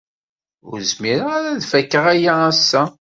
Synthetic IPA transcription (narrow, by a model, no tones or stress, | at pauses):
ʊ̰ɾzmiɾaɾæðfækːəʁæjaæsːæ